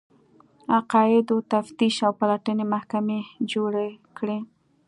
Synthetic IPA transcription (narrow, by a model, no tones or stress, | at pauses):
aqɑɪd̪ot̪aft̪iʃawpalaʈənemahkamed͡ʒoɽekɽe